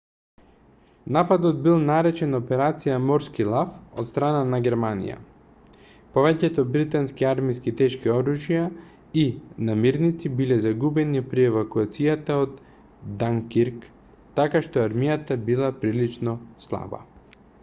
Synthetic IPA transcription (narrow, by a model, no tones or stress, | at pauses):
napad̪ɔd̪̚bilˠnaɾɛt͡ʃɛnɔpɛɾat̪sijamɔɾskilˠafot̪st̪ɾananaɡʲɛɾmanḭja̰ | povɛcɛt̪ɔbɾit̪anskiaɾmiskit̪ɛʃkiɔɾuʒija | inamiɾnit̪sibilɛzaɡubɛnipɾiɛvakuat̪sijat̪aod̪ | d̪aŋkiɾk | t̪akaʃt̪ɔaɾmijat̪abilˠapɾilit͡ʃnɔslˠa̰ba̰